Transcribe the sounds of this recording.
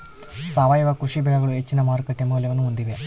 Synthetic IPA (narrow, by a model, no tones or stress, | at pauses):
saːʋaːjʋɐkɾuʂibɛɭɐɡɐɭuɦet͡ʃːinɐmaːɾkɐʈːjɐmuːljɐʋɐnːuond̪iʋe